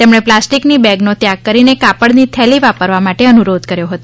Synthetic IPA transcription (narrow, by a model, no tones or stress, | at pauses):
t̪emɽ̃eplasʈiknibɛɡnot̪jak̚kəɾinekapəɽnit̪ʰɛliʋapəɾʋamaʈeənuɾod̪kəɾjoɦət̪o